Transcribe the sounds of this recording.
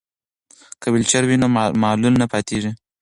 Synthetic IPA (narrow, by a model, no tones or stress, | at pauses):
kəwɪlt͡ʃaɾwinomɑːlulnapɑt̪eʐi